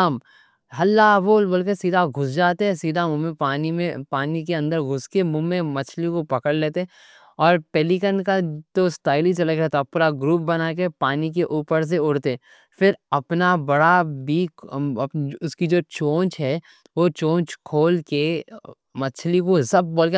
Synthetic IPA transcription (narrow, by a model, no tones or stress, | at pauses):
m | ɦɐlːaboːlbɐlkesiːd̪ʱaɡʱʊsd͡ʒaːt̪eɦɛ̃siːd̪ʱamʊ̃mẽaːnimẽpaːnik̬eɐ̃nd̪əɾɡʱʊskemʊ̃mːẽmɐt͡ʃʰlikopɐkəɽleːt̪eɛ | ɔːɾpɛːlikənkat̪osʈaːɪlit͡ʃɐləkɾɛt̪apːɾaɡɾuːp̚bɐnaːk̬epaːnik̬eʔuːpəɾs̬eʊɽt̪eɛ̃ | fɪɾɐpnabɐɽabiːk | ʊskid͡ʒoːt͡ʃõːnt͡ʃɦɛː | ʋot͡ʃõːt͡ʃkʰoːlke | mɐt͡ʃʰlikosɐb̚boːlke